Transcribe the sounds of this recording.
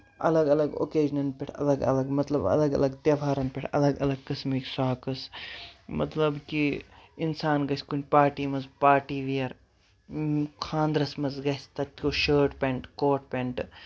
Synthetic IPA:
ɐ̰lɐɡɐlɐɡo̰ːkeːd͡ʒnɐnpʲeʈʰɐ̰lɐɡɐ̰lɐɡmɐt̪lɐbɐ̰lɐɡɐ̰lɐɡt̪jɐʋʱaːɾɐnpʲeʈʰɐ̰lɐɡɐ̰lɐɡ̚kɐsmiksaːkɐsmɐ̰t̪lɐbkiinsaːnɡɐsʲkunʲpaːɾʈiːmɐzpaːɾʈiːʋijɐɾ | kʰãːnd̪ɾɐsmɐzɡɐsʲt̪ɐt̪̚ʲkoːʃəːʈpeɳʈkoːʈ̚pʲeɳʈ

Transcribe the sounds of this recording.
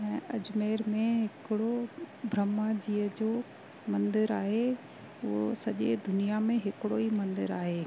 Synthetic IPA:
ɛ̃ːʔɐd͡ʑmeːɾmẽɦɪkɪɽobʱɾəmad͡ʑiːəd͡ʑo | mɐ̃nd̪ɪɾaːɦe | ʊɦosɐʄḛd̪ʊnijamẽɦɪkɪɽoimɐ̃nd̪ɪ̰ɾaːɦeː

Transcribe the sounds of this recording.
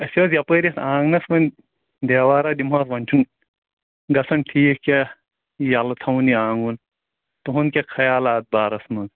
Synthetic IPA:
ɐsʲozjɐpəːɾʲɐsãːŋɡnɐsʋɐn | d̪eːʋaːɾaːd̪imaːsʋɐnt͡ʃʰun | ɡɐsʰɐnʈʰiːkkʲa | jɐlt̪ʰɐwniãːŋɡun | t̪uɦunkʲɐkʰɐjaːlaːt̪̚baːɾɐsmɐn

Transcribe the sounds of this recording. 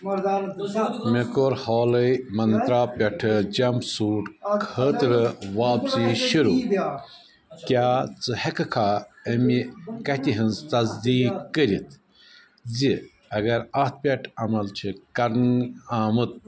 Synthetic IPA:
mekoɾhoːlɐmɐnt̪ɾaːpʲɐʈʰɨd͡ʑɐmsuːʈkʰəːt̪ɾɨʋaːpsiʃuɾu | kʲaːt͡sɨhɐkɨkʰaːɐmikɐt̪ʲiɦɨnzt̪ɐzd̪iːkːəɾit̪ʰ | zi | ɐɡɐɾɐt̪̚pʲɐʈʰɐmɐlt͡ʃʰikɐɾnaːmɨt̪̚

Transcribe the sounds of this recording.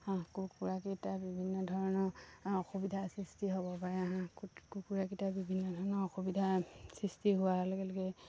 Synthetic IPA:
hãkukuɹakitabibʱinːɔdʱɔɹɔnɔɔxubidʱasɹistiɦobɔpaɹɛɦãkukuɹakitabibʱinːɔdʱɔɹɔnɔɹɔxubidʱasɹistiɦuwalɔɡɛlɔkɛ

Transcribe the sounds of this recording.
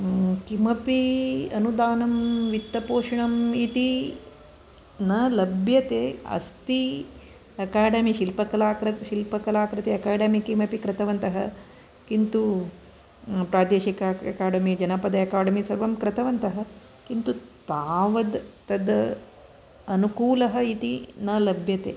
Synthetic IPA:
kimɐpiɐnud̪aːnɐmʋit̪ːɐpoːʂɐɳɐmit̪i | nɐlɐbʱjɐt̪eːɐ̰st̪i | ɐkaːɖɐmiʃilpɐkɐlaːkɾɐʃilpɐkɐlaːkɾɐt̪eɐkaːɖɐmikimɐpikɾɐt̪ɐʋɐnt̪ɐɦɐ | kint̪u | pɾaːd̪eːʃikɐɐ̰kaːɖɐmid͡ʒɐnɐpɐd̪ɐɐkaːɖɐmisɐɾʋɐmkɾɐt̪ɐʋɐnt̪ɐɦɐ | kint̪ut̪aːʋɐd̪t̪ɐd̪ | ɐnukuːlɐɦɐit̪inɐlɐbʱjɐt̪ḛː

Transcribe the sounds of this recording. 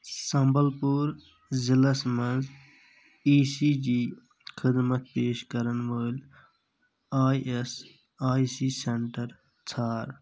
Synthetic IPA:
sɐmbəlpuːɾ | ziləsmɐnd͡z | iːsiːd͡ʒiː | xʰɪd̪mət̪̚peːʃkɐɾənʋəːlʲ | aːʔes | aːisiːseɳʈəɾ | t͡sʰaːɾ

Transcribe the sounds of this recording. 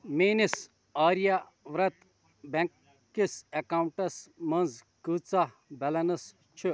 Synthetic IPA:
meːnis | aːɾija | ʋɾɐt̪ | beŋkː | isɐkaːwɳʈɐsmɐnz | kɨːt͡sa | bɐlɐnɐs | t͡ʃʰu

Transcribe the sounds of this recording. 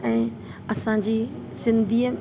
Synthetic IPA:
ɛ̃ː | ɐsãd͡ʑiː | sɪ̃nd̪ʱiːə

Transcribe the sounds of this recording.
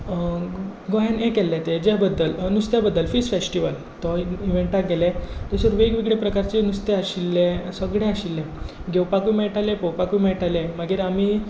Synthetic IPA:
ɡoɦãnẽkɛlːɛt̪ed͡ʑabəd̪ːəlnust̪jabəd̪ːəlfisfesʈiʋəl | t̪ɔiʋeɳʈaɡɛlɛt̪ɔsəɾʋeɡʋiɡɽepɾəkaɾt͡ɕenust̪eaɕilːẽsəɡɽẽaɕilːẽɡewpakʋimeʈalẽpəwpakʋimɛɭʈalẽməɡiːɾam̤iː

